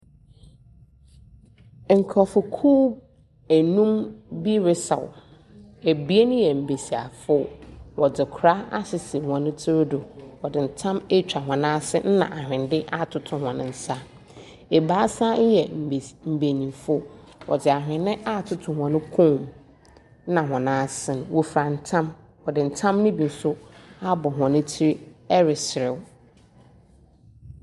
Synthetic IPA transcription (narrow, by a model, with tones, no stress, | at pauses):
ŋ̩˨kʰɔ˨fʊ˨kʰuː˦ | æ˨nũ˦mbi˦ɾɪ˦sa̰˨w̰ | e˨bi˦e˦nʊ̃˦jɛ˨m̩˨be˨si˨a̰˨fʊ˦wʔɔ˨dɪ˨kʰɾa˦a̰˦sɪ˨sɪ˨wã˨nʊ̃˦tʰʊ˦ɾdʊ˨wɔ˨dɪ˨n̩˨tʰã˦me˦t͡ɕᶣa˨ɦã˨nã˦sɪ̰˦n̩˦nã̰˨ʔa˨hᶣɪ̃˨n˨dɪ˦ʔa˦tʰʊ˨tʰʊ̃˨hã˨nɪ̃˨n̩˨sa˦ | e˨baː˦sa˦jɛ˨m̩˨m̩˨be˨nĩ˨mfʊ˦ | wʔɔ̰˨d͡zɪ˨a˨ɦᶣɪ̃˨nːɪ̃˦ʔa˦˨tʰʊ˦tʰʊ̃˨hɔ̃˨nʊ̃˦kʰõ˦˨m̩˦ | nã˨ɦɔ̃˨nãː˦sɪ̃˨nʊ̃˨wo˨fɾa˨n̩˨tʰã˦m | wɔ˨dɪ˨n̩˨tʰã˦mnɪ̃˦bi˨n̩˦sʊ˦a˦bɔ˨ɦʷɔ̃˨nɪ̃˦tʰɪ˦ɾɛ˦ɾɪ˨sɪ˨ɾɪ˨w